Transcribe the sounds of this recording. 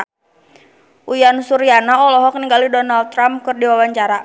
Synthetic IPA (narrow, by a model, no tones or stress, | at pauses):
ʔujansuɾianaɔlɔɦɔkniŋɡalidɔnald̪̚t̪ːɾamkɨrdiwawaɲt͡ʃaɾa